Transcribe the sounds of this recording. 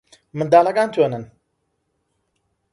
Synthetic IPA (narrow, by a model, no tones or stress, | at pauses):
mɨnd̪aːlɐkaːnt̪ʰwenɨn